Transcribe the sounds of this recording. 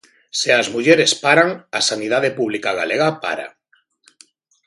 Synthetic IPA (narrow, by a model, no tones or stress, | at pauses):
seazmuʎeɾespaɾaŋasanið̞að̞epuβlikaɣ̞a̰leɣapa̰ɾa̰